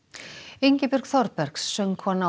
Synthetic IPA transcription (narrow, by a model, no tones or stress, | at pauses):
ejɲcɪpʏɾ̥kθɔɾpɛɾ̥ksːœŋkʰvɔna